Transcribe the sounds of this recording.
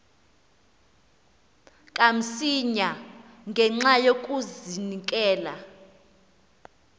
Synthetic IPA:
kʼam̩siɲaŋɡʱɛŋ͡ǁajokʼuzinikʼɛːla

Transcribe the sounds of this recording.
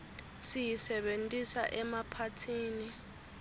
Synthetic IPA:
sijisɛɓentʼisa̰ʔɛmapʰatʰiːni

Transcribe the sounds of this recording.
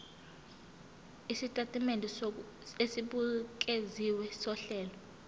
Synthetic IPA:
isitʼatʼimendʱi | esiɓuk̬ʼeziwɛsɔɬɛːlɔ

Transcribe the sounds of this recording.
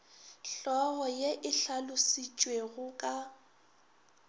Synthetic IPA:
ɬɔɣɔjeʔɪɬalʊsit͡ʃʼweɣʊkʼa

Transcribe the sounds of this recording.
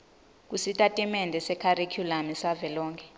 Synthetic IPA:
k̬ʼusitʼatʼimɛndʱɛsɛkʰaɾekʰjulamisavɛlɔːŋkʰɛ

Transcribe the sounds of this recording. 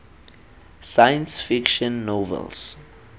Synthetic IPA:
sajə̃nsfikʃɔ̃nːovɛ̰ls

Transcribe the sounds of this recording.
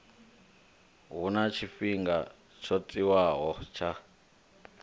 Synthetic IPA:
ɦunat͡ʃʰifiŋɡa | t͡ʃʰot͡sʼiwaɦɔt͡ʃʰa

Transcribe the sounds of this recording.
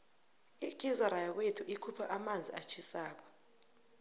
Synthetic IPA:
ik̬ʼizɔɾajawetʰuʔikʰupʰaʔamand͡zʱiat͡ʃʰisaːk̬ɔ̥

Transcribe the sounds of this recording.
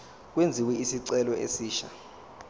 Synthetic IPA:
k̬wend͡zʱiwɛisiǀɛlɔḛsiːʃa

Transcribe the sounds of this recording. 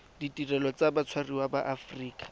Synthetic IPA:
ditʼirɛlɔt͡sabat͡sʰwariwabaʔafriːkʼḁ

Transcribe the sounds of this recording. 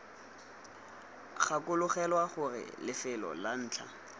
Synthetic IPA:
χakʊlʊχɛlwaχʊrɪ̰lɪfɪlɔ̰lan̩ːt͡ɬʰa̰

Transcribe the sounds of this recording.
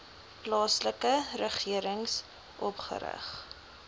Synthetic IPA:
plɑːsləkərəχiəɾəŋs | ʔɔpχə̰ɾə̰χ

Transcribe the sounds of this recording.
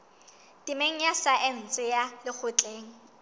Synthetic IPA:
tʼɪmeŋ̩jasaʔɪn̩t͡sʼɪjalɪk͡xʰʊt͡ɬʼeːŋ̩

